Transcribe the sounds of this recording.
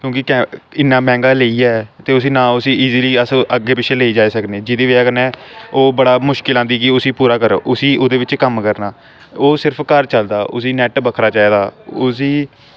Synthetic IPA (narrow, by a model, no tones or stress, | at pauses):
kjõːkɪkɛɪnːãːmɛ̃ːŋɡaːleiːɛːt̪eːʊsiːnãːʊsiːiːziːliːəsəɡːeːpɪt͡ʃʰeːleiːd͡ʒaːeːsəknẽːd͡ʒɪd̪eːʋeaːkəɾnɛːoːbəɽaːmʊʃkɪlãːnd̪iːkɪʊsiːpuːɾaːkəɾʔʊsiːʔoːd̪eːʋɪt͡ʃkəmkəɾnaː | oːsɪɾpʰkəɾt͡ʃəld̪aːʔʊ̰siːnɛːʈbəkʰɾaːt͡ʃaːiːd̪aːoʊs̬iː